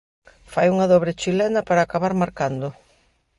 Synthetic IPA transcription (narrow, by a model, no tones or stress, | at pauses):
fajuŋɐðɔβɾɪt͡ʃilɛnɐpaɾaːkaβaɾmaɾkand̪ʊ